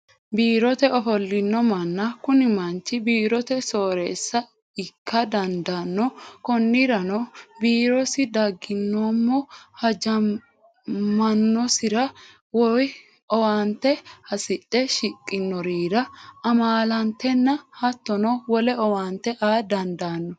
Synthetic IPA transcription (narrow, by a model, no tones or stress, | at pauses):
biːɾɔt̪ɛɔfɔlːɪnːɔmɐnːɐkʊnɪmɐnt͡ʃːɪbiːɾɔt̪ɛsoːɾeːsːɐ | ɪkːɐd̪ɐnd̪ɐnːɔkɔnːɪɾɐnɔbiːɾɔsɪd̪ɐɡːɪnːɔmːɔhɐd͡ʒɐ | mːɐnːɔsɪɾɐ | wɔj | ɔwant̪ːɛhɐsɪɗːɛʃɪkʼːɪnːɔɾiːɾɐɐmaːlɐnt̪ːɛnːɐhɐt̪ːɔnɔwɔlɛɔwaːnt̪ːɛʔaːd̪ɐnd̪aːnːɔ